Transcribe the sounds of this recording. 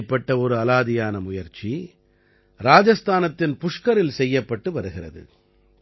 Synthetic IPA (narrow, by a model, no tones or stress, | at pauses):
pːɐʈːɐɔɾɯɐlaːðɪjaːnɐmʊjɐɾt͡ʃi | ɾaːd͡ʒɐst̪ʰaːnɐt̪ːɪnpʊʂkɐɾɪlsɛjːɐpːɐʈːɯʋɐɾɯɣɪrɐ̰ðɯ̰